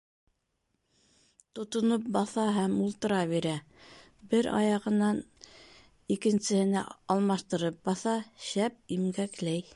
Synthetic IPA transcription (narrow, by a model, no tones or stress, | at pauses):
t̪ŏt̪ŏnɤp̚bɑθɑɦæmulˠt̪ɤ̆ɾɑβiɾæ | bɘɾɑ̰jɑʁɤ̆nɑn | ikɘ̆nsɘ̆hɘ̆næ̰ɑlˠmɑʃt̪ɤ̆ɾɤp̚bɑθɑʃæp̚imɡæklæj